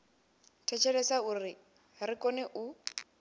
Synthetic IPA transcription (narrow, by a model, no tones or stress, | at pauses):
tʰɛt͡ʃʰɛlɛsauːrɪ | rɪkʼɔnɛʔu